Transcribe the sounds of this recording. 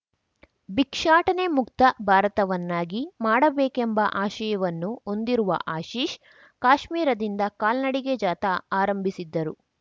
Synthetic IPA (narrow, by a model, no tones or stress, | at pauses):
bikʂaːʈɐnemukt̪ɐbʱaːɾɐt̪ɐʋɐnːaːɡimaːɽɐbeːkembɐʔaːʃɐjɐʋɐnːuo̞nd̪iɾuʋɐ̰ʔaːʃiːʃ | kaːʃmiːɾɐd̪ind̪ɐkaːlnɐɽiɡed͡ʒaːt̪ɐaːɾɐmbʱisid̪ːɐɾu